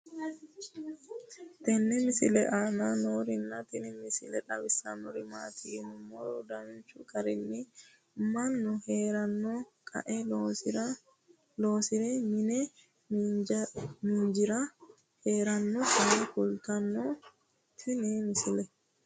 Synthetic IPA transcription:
t̪ɛnːɛmɪsɪlɛʔaːnɐnoːɾɪnːɐt̪ɪnɪmɪsɪ̰lɛᶑɐbɪsːɐnɔɾɪmaːt̪ʰinʊmːɔɾɔd̪ɐmɪnt͡ʃːʊkʼɐɾɪnːɪ | mɐnːʊheːɾɐnːɔkʼɐ̰ʔɛl | loːsɪɾɛmɪnɛ | miːnd͡ʒɪɾɐ | heːɾɐnːɔt̪ɛnɛkʊlt̪ɐnːɔ | t̪ʰɪnɪmɪsɪlɛ

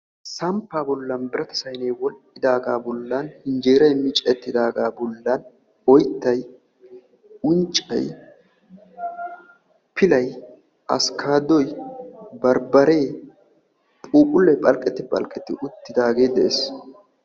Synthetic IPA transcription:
sɐmpːaːbɔlːɐnbɪɾɐt̪ɐ̥sɐjneːwɔlɪd̪aːɡaːbɔlːanhɪnd͡ʒeːɾɐjmɪt͡ʃʼɛt̪ːɪd̪aːɡaːbɔlːɐn | wɔjt̪ːɐj | ʊnt͡ʃʼːɐ̰j | pɪlɐj | ʔɐ̰skʰaːd̪ɔjbɐɾbɐɾe̞ː | pʼuːpʼʊlːɛjpʼɐlkʼːɛt̪ːɪpʼɐ̰lkʼːɛt̪ːɪʔʊt̪ːɪd̪aːɡe̞ːd̪ɛʔeːs

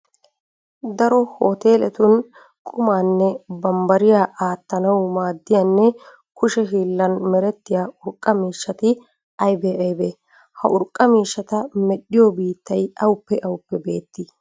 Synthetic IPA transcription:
d̪ɐɾɔhoːt̪e̞ːlɛt̪ʊn | kʼʊmaːnːɛbɐmbɐɾɪjaːʔaːt̪ːɐnɐwmaːd̪ːɪjɐnːɛ | kʊʃɛɦiːlːɐnmɛɾɛt̪ːɪjaːʊɾkʼːɐmiːʃːɐt̪ɪ | ʔɐjbeːʔɐjbe | hɐ̰ʔʊɾkʼɐmiːʃːɐt̪ɐmɛɗːɪjɔbiːt̪ːɐjɐwʊpːɛʔɐwʊpːɛbe̞ːt̪ːɪ

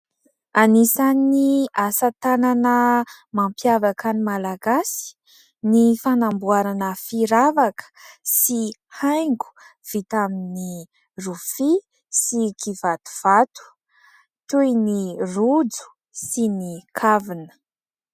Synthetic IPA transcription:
anisaniasat̪ananə | mampjavakanimalaɡasi̥ | nifanambuaɾanəfiɾavakə̥sihajŋɡu̥ | v̥it̪amini | rufi | sikʰivat̪u̥v̥at̪u̥ | t̪ujnirud͡zu̥ | sinikʰavinə̥

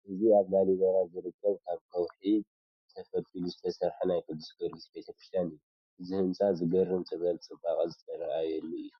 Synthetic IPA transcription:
ʔɨziaβnaliβɐɾazɨɾɨkʰːɐβkʰaβkʰɐwħi | zɨt̪ʰɐfɐt̪ʼiluzɨt̪ʰɐsɐɾħunajkʰɨd̪ːusbɨɾɡɨsbet̪ʰɐkɾist̪ʰjanɨjːu | ʔɨzihɨmsʼazɨɡɐrːɨmt͡s̪ʼɨβɐlt͡sʼɨbakʼzɨt̪ʼʰɐɾɐʔajɛlːuɨjːu

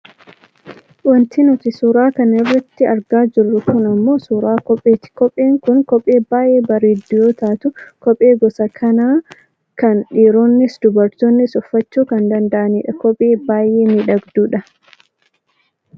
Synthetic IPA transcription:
wɐnt̪inʊt̪ɪsuːɾaːkɐnɪrːɐt̪ːɪɐɾɡaːd͡ʒɪrːʊkʊnɐmːo̞ːsuːɾaːkɔpʼːeːt̪ɪ̥kɔpʼːeːŋkʊŋkɔpʼːe̞ːbaːjʔeːbɐɾeːd̪ʊjoːt̪aːt̪ʊkɔpʼːe̞ːɡɔsɐkʰɐnaː | kɐnᶑiːɾoːnːɪsd̪ʊbɐɾt̪onːɪsʊfːɐt͡ʃːuːkɐnd̪ɐnd̪ɐʔɐniːᶑɐkɔpʼːeːbaːje̞ːmɪᶑɐɡd̪uːᶑɐ

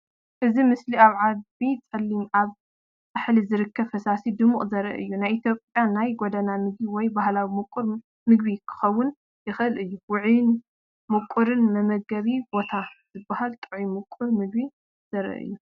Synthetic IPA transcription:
ʔɨzimɨsliaβʕadbit͡sʼɐlːimʔaβ | baħlizɨɾɨkʰːɐβfɐsasid̪ɨmuχʼzɐɾɐ̰ʔɨjːunajit̪ʰjopʼjanajɡod̪ɐnamɨɡ̚biwɔjbahlawimɨkʼuɾ | mɨɡbikʰɨ̥xɐwːʊn | jɪxɨɨlɨjːuwʊʕn | mɨkʷʼːuɾɨnmɐmɐɡɐβibo̞t̪ʰaz̥ɨbːahalt̪ʼɨʕimɨkʼːuɾmɨɡ̚bi | z̥ɐɾɐ̰ʔɨ̰jːu

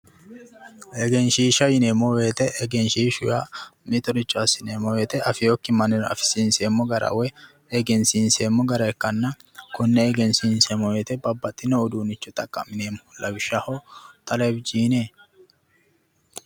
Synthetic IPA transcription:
ʔɛɡɛnʃiːʃɐjɪneːmɔweːt̪ɛʔɛɡɛnʃiːʃʊja̰mɪt̪ɔɾɪt͡ʃʼːʊasɪneːmːɔweːt̪ɛʔɐfɪjokːɪmɐnɛnɐ̰fɪ̥sinseːmːɔɡɐɾɐ̰wɛ | ɛɡɛnsinseːmːɔɡɐɾɐɛkːɐnːɐ | kʊnːɛɛɡɛnsiːnsɛmɔweːt̪ɛbɐbːɐt̪ʼːɪnɔːd̪uːnɪt͡ʃːɔt̪ʼɐkʼːɐmɪneːmhʊlːɐbɪʃːahɔt̪ʼɐlɐbɪd͡ʒiːneː

